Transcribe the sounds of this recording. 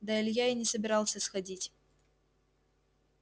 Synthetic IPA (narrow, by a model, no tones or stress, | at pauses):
d̪ɐɛlʲjainʲɪsəbʲɪɾɑlˠsʲəsxɐdʲitʲ